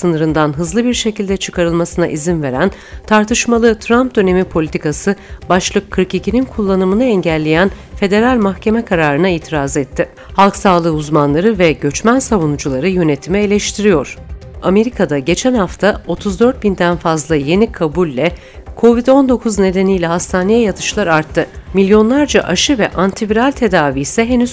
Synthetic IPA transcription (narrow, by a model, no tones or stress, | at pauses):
sɯnɯɾɯnd̪anɦɯzlˠɯbiɾʃe̞cilʲd̪ɛt͡ʃʰɯ̥kʰaɾɯlˠmasɯna̰ʔizinve̞ɾæn | t̪ʰaɾt̪ʰɯʃmalˠɯt̪ʰɾamp̚d̪ø̞ne̞mipʰo̞lʲit̪ʰikasɯbaʃlˠɯkʰːɯɾkicʰininkʰulˠːanɯmɯnɯɛɲɟælʲːe̞jæn | fe̞d̪e̞ɾalʲmaxcʰe̞mɛkʰaɾaːɾɯnaiːt̪ʰiɾazɛt̪ʰːɪ | halˠksaːlˠɯːuzmanlˠaɾɯvɛɟø̞t͡ʃmænsavunud͡ʒulˠaɾɯjø̞net̪ʰimɛelʲɛʃt̪ʰiɾijo̞ɾ̥ame̞ɾikʰad̪aɟe̞t͡ʃʰænhaft̪ʰao̞t̪ʰuzd̪ø̞ɾt̪̚bind̪ænfazlˠaje̞nikʰabulʲːɛ | kʰo̞vid̪o̞nd̪o̞kʰuzne̞d̪e̞nijlʲɛɦast̪ʰaːne̞jɛjat̪ʰɯ̥ʃlˠaɾaɾt̪ʰːɯmilʲjo̞nlˠaɾd͡ʒa̰ʔaʃɯvɛʔant̪ʰivɾalʲt̪ʰe̞d̪aːviːsɛɦenyz